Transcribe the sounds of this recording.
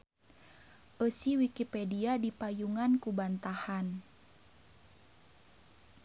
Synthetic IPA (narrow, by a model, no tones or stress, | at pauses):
ʔəsiwikipɛdiadipajuŋankubant̪ahan